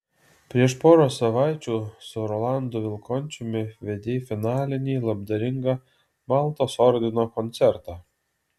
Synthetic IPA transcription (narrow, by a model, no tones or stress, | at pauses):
pʲɾʲiɛʃpoːɾoːsɐʋɑɪt͡ʃʲuːsʊɾɔlˠɑnd̪oːʋʲɪlˠkɔnʲt͡ʃʲʊmʲɪʋʲed̪ʲeːfʲɪnɑːlʲɪnʲiːlˠɐb̚d̪ɐɾʲɪŋɡɑ | mɑlˠt̪oːsɔɾʲd̪ʲɪnoːkɔnʲt̪sʲɛɾt̪ɑː